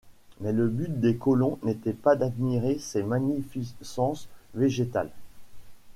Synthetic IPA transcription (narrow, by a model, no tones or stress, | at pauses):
mɛləbyt̪̚d̪ekɔlɔ̃net̪ɛpad̪ad̪miʁesɛmanifisɑ̃sveʒet̪a̰l